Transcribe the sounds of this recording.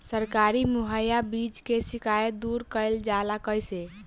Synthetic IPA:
səɾkaɾimuɦəjabid͡ʒkesikajəd̪uɾkəld͡ʒalakəjse

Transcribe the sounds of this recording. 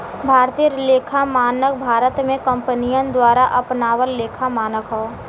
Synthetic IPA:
bʱaːɾt̪iəɾleːkʰamaːnək̚bʱaːɾət̪mẽkə̃mpənijənd̪waːɾaʔɐpnaːwəlːeːkʰamaːnəkʰɦoː

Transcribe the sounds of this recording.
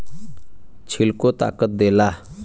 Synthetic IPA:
t͡ʃʰilkot̪a̰ːkət̪̚d̪ela

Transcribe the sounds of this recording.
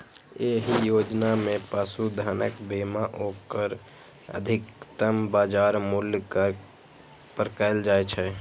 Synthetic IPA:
eɦijoːd͡ʒnamẽpaːsud̪ʱaːnəkbeːmaʔoːkəɾ | ə̰d̪ʱɪkt̪əmbaːd͡ʒaːɾmʊljkə | pəɾkaɪld͡ʒaːet͡ʃʰɛ

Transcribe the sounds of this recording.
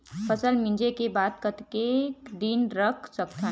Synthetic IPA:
pʰəsəlmɪ̃nd͡ʒekebaːt̪̚kət̪ked̪inɾəkʰsək̚t̪ʰa

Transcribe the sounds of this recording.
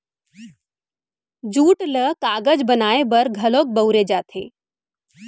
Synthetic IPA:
d͡ʑuːʈləkaɡəd͡zbənaebəɾɡʱəlok̚bəwɾed͡ʑat̪ʰḛ

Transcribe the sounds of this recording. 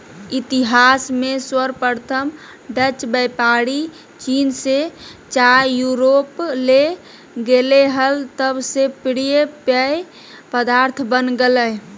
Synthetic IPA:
it̪iɦasmeswəɾpəɾt̪ʰəm | ɖət͡ʃbɛpaɽi | t͡ʃinset͡ʃajuɾople | ɡeleɦəlt̪əbsepɽijepəj | pəd̪aɾt̪ʰbənɡeləj

